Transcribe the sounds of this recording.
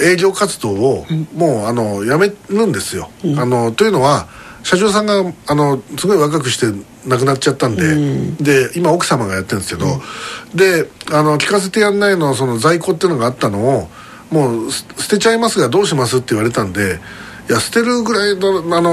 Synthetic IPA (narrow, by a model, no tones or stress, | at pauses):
e̞ːʑʲo̞ːkat͡sɨd̪o̞ːmo̞ːano̞jame̞ɾɯ̟̃nd̪e̞sɨjo̞̰ano̞t̪o̞jɯ̟no̞βa | ɕaʑo̞ːs̬ãŋɡaano̞sɨɡo̞iβakak̬ɯ̟ɕi̥t̪e̞ | nak̬ɯ̟nat͡ɕ̚ːt͡ɕat̪ːãnd̪e̞d̪e̞imao̞kɯ̟̥samaɡajat̪ːẽnd̪esked̪o̞̰d̪e̞ano̞kʲi̥kas̬e̞t̪e̞janːainos̬o̞no̞zaiko̞ːt̪ːeiɯ̟no̞ɡaːt̪ːano̞ː | mo̞ːssɨ̥t̪e̞t͡ɕaimasɨɡad̪o̞ːɕimasɨt̪ːeiβaɾe̞t̪ãnd̪e̞ | ijasɨ̥t̪e̞ɾɯ̟ɡɯ̟ɾainoano